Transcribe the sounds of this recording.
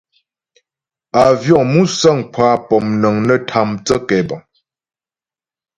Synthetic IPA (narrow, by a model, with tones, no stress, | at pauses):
a˨vjɔ˦˨ʔmu˦sə˦˨ŋkʰwa˦pɔ˨mnə˨ŋnə˦tʰa˨mt͡sə˦kɛ˨bɔ˨ŋ